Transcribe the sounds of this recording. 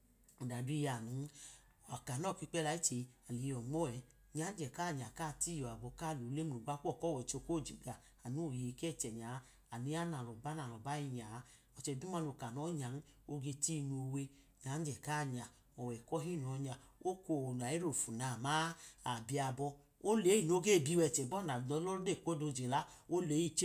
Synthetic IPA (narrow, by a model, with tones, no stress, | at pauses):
da˨du˦i˦˧ja˨nu˨˦˨ | a˨ka˨nɔ˦˨ki˧˦k͡pɛ˦la˧˨i˦t͡ʃe˧a˨li˨jɔ˨ŋ͡mɔ˦ɛ˨˦ | ɲa˨˦n̩˦d͡ʒɛ˨ka˦˨ɲ˨a˨kaː˦˨ti˦jɔ˨a˨bɔ˧ka˦˨lu˨˦le˦m˦˨u˨ɡ͡ba˦kɔ˦˨kɔ˦˨wɛ˨t͡ʃo˧˨ko˦˨d͡ʒi˨ɡa˨ | a˨nu˦˨je˨˧kɛ˦˨t͡ʃɛ˨ɲa˨˦ | a˨ni˧˦a˦na˨lɔ˨ba˦na˨lɔ˨ba˦ji˧ɲa˨˧˦ | ɔ˨˧t͡ʃɛ˧˨du˦ma˧no˨ka˨nɔ˨˦ɲa˨n˦ | o˧ɡe˧ti˦˧n˧o˧we˧ | ɲa˨˦n̩˦d͡ʒɛ˨ka˦˨ɲa˨ | ɔ˨wɛ˨kɔ˦ɦi˦˨n˨ɔ˧ɲa˧ | o˦ko˧˨n˨a˨i˦ɾo˨fu˨na˨ma˦a˨bi˧a˧bɔ˧ | o˦le˨˦i˨no˦ɡe˦˨bi˨˧˦wɛ˧˨t͡ʃɛ˨bɔ˦˨na˨ɔ˧˦lɔ˦de˦˨kʷo˦do˧˨d͡ʒe˨la˦o˦le˨˦i˦˨t͡ʃ